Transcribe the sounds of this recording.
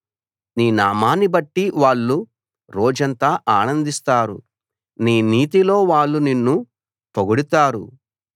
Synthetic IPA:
niːnaːmaːnibɐʈːiʋaːɭːu | ɾɔːd͡ʒɐnt̪aːʔaːnɐnd̪ist̪aːɾṵ | niːniːt̪̬ilo̞ːʋaːɭːuninːu | poɡuɽut̪aːɾṵ

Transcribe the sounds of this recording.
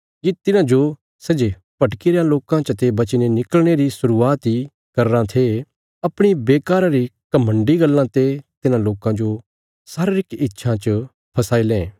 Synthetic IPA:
kit̪ɪnãd͡ʒo | sɐd͡ʒe | pɐʈkiɾjãloːkãt͡ʃɐt̪ebɐt͡ʃnenɪkəlɽ̃eɾisʊɾuaːt̪i | kɐɾːãt̪ʰe | ɐpɽ̃ibeːkaːɾãɾikɐmə̃ɳɖiɡɐlːãt̪et̪ɪnãloːkãd͡ʒo | saɾɾɪkɪtːʃʰãt͡ʃə | pʰɐsaːilẽː

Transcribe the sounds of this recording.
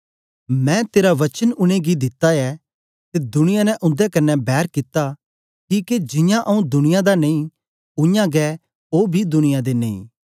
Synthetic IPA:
mɛ̃ːt̪eːɾaʋɐt͡ʃənʊɽ̃eɡid̪ɪt̪ːaɛ | t̪ed̪ʊɽ̃ɪjãnɛ̃ʔʊ̃nd̪ɛkɐnːɛbɛːɾkɪt̪ːa | kiːked͡ʒɪ̃jãʔɐũd̪ʊñɪjãd̪anɐĩ | ʊ̃jãɡɛː | oːbʱid̪ʊɽ̃ɪjãd̪eneḭ̃ː

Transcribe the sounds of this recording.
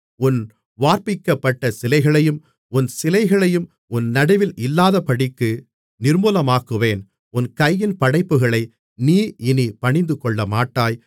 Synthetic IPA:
ʊn | ʋaːɾpɪkːɐpːɐʈːɐsɪlɐɪɣɐɭɐjɯm | ʊnsɪlɐɪɣɐɭɐjɯm | ʊnnɐɽɐɪʋɪlʔɪlːaːðɐpɐɽɪkːɯ | nɪɾmuːlɐmaːkːɯʋeːn | ʊnkɐjːɪnpɐɽɐɪpːɯɣɐɭɐɪ | niːɪnipɐɳɪnd̪ɯkɔɭːɐmaːʈːaːj

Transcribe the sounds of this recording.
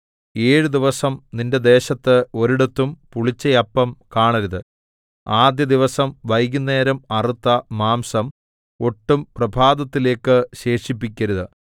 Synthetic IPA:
e̞ːɻud̪iʋɐsɐmninde̞d̪e̞ːɕɐt̪ːɨo̞ɾuɽɐt̪ːumpuɭit͡ɕːɐjɐpːɐmkaːɳɐɾuðɨ | aːd̪jɐd̪iʋɐsɐmʋɐjɣunːe̞ːɾɐmɐrit̪ːɐmaːmsɐm | o̞ʈːumprɐbʱaːd̪ɐt̪ːile̞ːkːɨɕe̞ːʂipːikʲːɐɾuðɨ

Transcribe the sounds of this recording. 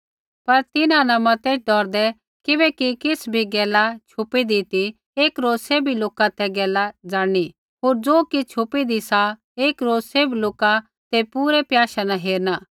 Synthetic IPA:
pɐɾt̪ɪnãnɐmɐt̪eːt͡ʃʰɖɔːɾd̪ɛ | kɪbɛkikɪsbʱiɡɛːlat͡ʃʰʊpid̪it̪i | eːkɾoːzseːbiloːkat̪ʰɛɡɛːlad͡zaːɽ̃i | ɦoːɾd͡zoːkit͡ʃʰʊpid̪isa | eːkɾoːseːbloːka | t̪epuːɾɛpjaːʃanaɦeːɾnaː

